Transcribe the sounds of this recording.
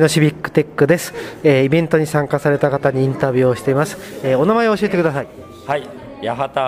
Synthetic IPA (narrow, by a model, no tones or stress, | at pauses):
noɕibʲikːɯ̟̥t̪ekːɯ̟d̪e̞sɨ̥eːibẽ̞nt̪o̞ɲ̟isãŋkasaɾe̞t̪akat̪aɲ̟iĩnt̪abʲjɨːoɕi̥t̪e̞imasɨ̥eːo̞namaeo̞ɕiet̪e̞kɯ̟d̪asai | hai | jaɦat̪a